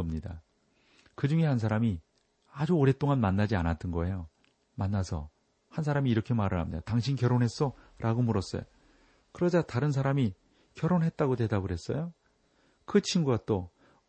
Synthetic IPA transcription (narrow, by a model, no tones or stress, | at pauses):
ʌmɲida̰ | kɯd͡ʑuŋe̞hans̬ʰaɾami | ad͡ʑuoɾe̞t͈oŋanmanːad͡ʑianat͈ʌnɡʌe̞jo | manːasʰʌ̰ | hans̬ʰaɾamiːɾʌkʰe̞maɾɯɭɦa̰mɲida̰taŋɕʰinkjʌɾonɦe̞s͈ʌɾʔaɡomuɾʌs͈ʌ̰jo̰ | kɯɾʌd͡ʑataɾɯns̬ʰaɾami | kjʌɾonɦe̞t̚t͈aɡodwe̞daɡɯɾɦe̞s͈ʌjo | kɯt͡ɕʰinɡuɡat͈o